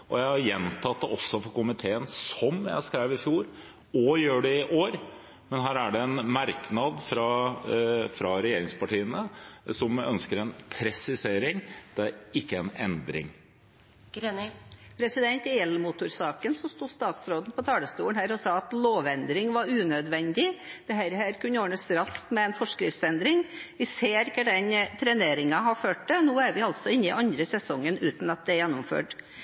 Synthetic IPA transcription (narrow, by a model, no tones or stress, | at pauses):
ʔɔ̰jæɪhɑɾjɛnt̪ʰɑt̪̚ːəʔɔsːɔfɔɾkʊmɪt̪ʰeːənsɔmjæ̰ɪskɾæɪʋɾɪfjuːɾ | ɔjøːɖɛɪʔoːɾ | mɛnɦæːɾæɖɛɛnmɑɾknɑd̪fɾɑ | fɾɑɾɛjeːɾɪŋspɑʈiːənəsɔmœnskəɾɛnpʰɾɛsɪseːɾɪŋd̪̥ɛæɾɪkːəɛnɛnd̪ɾɪ̰ŋ | ɡɾenpʰɾɛsɪd̪ɛnt̪ɪɛlːmʊt̪ʊɾsɑːkənsɔst̪uːst̪ɑːt̪sɾoːd̪n̩pʰɔt̪ʰɑːləst̪uːəɳnhæːɾɔsɑːɑt̪loːʋɛnd̪ɾɪŋʋɑɾʉːnœd̪ʋɛnd̪ɪd̪̥ɛhæːɾhæːɾkʉnːəjoːɳəsɾɑst̪mɛɛnfɔʂkɾɪft̪sɛnd̪ɾɪŋʋɪseːɾɪkːəɖɛnt̪ʰɾɛneːɾɪŋɑɦɑføːʈ̚d̪ɛnuːæɾʋɪɑlt̪sɔɪnːɪʔɑnd̪ɾəsɛsɔŋːənʉːt̪n̩ɑt̪̚d̪ɛɾjɛnːɔmfø̰ːʈ